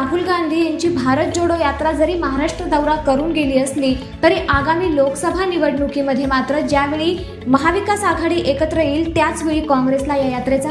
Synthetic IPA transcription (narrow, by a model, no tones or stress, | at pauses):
aɦuːlɡand̪ʱiːjaɲt͡ɕiːbʱaɾət̪̚d͡zoɽojat̪ɾad͡zəɾiːməɦaɾaʂʈɾəd̪əwɾakəɾuːnɡeliːəsliː | t̪əɾiːʔaɡamiːloksəbʱaniʋəɽɳukiːməd̪ʱːjemat̪ɾəd͡ʑjaʋeɭiː | məɦaʋikasaɡʱaɽiːʔekət̪ɾəjiːlt̪jat͡sʋeɭiːkɔ̃ŋɡɾeslajajat̪ɾet͡sa